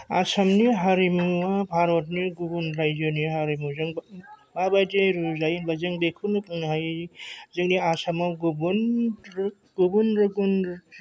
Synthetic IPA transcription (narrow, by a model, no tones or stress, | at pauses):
asamniɦaɾimuabʱaɾɔt̬̚niɡubunɾajd͡ʒoniɦaɾimuzɯŋbabajdeɾuzajnbazeŋbekʰunɯpnɦajzeŋniasamawɡubun | ɡ̥ubunɾɯɡun